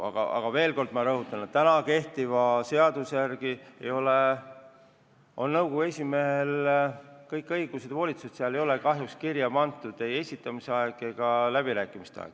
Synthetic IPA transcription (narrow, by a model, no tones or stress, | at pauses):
ɑ̰ɡ̥ɑ̰ɑ̰ɡ̥ɑve̞ːlko̞rd̪̥mɑɾɤɦut̪ːˑɑnet̪ːænɑke̞ht̪ivɑse̞ɑd̪̥usejærɡ̥iḛjo̞le | o̞̰nnɤwkoɡue̞sʲime̞ɦel | kɤjkːˑɤjɡ̥used̪̥vo̞ːlʲit̪sused̪̥seɑle̞jo̞le̞kɑɦjukskirjɑb̥ɑnt̪ːˑud̪̥e̞je̞sʲit̪ːˑɑmiseɑeɡ̥eɡ̥ɑlæb̥iɾæːkːˑimist̪eɑ̰ḛ̥